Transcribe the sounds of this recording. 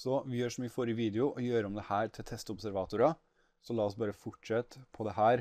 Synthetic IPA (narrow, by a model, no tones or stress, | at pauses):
sɔʋɪjøːʂɔmyːəfoɾəʋiːd̪ɛʊʔɔjøːɾəɔmd̪ɛhæːɾt̪ʰɪlt̪ʰɛst̪ɔbsæɾʋɑːt̪ʊɾɑ | sɔlɑːɔsbɑːɾəfʊʈʂɛt̪ːpʰɔd̪ɛɦæːɾ